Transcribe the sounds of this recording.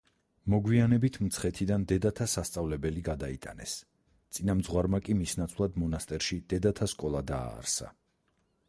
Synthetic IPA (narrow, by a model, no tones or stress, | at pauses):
mɔɡwianɛbit̪ʰmt̪sʰχɛt̪ʰid̪and̪ɛd̪at̪ʰasast̪sʼavlɛbɛliɡad̪ait̪ʼanɛ̰s | t̪sʼinamd̪zʁwaɾmakʼimisnat̪sʰvlˠad̪mɔnast̪ʼɛɾʃid̪̥ɛd̪at̪ʰaskʼɔlˠad̪a̰ːɾsa̰